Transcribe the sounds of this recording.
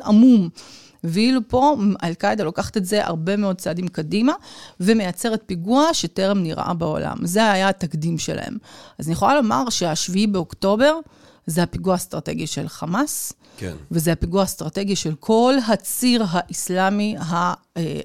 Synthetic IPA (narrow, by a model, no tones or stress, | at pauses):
amum | viilupo̞ʔa̰lkajd̪alokaχḁt̪e̞tze̞ʔa̰ʁbe̞me̞o̞d̪̚t͡sad̪imkadimavemejat͡se̞ʁet̪̚piɡuaʃete̞ʁemniʁʔa̰bao̞̰la̰mzeaajaːt̪akd̪imʃelʔa̰hḛmazanijeχolalo̞ma̰ʁʃe̞aʃviibeokto̞be̞ʁ | zehapiɡuast̪ʁat̪e̞̰ɡiʃe̞̰lχamas | kvezeapiɡuaːst̪ʁate̞ɡiʃe̞lkʰo̞lɦat͡siʁɦaʔislamiɦa | e